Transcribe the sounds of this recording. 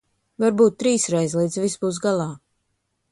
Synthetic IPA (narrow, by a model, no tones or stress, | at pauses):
vaɾbuːt̪̚ːɾiːsɾɛjzlˠiːd̪zvisbuːs̬ɡalˠaː